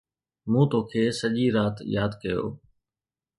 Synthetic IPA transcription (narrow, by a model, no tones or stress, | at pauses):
mũːt̪oːkʰeːsəʄiːɾaːt̪jaːd̪kəjo̰ː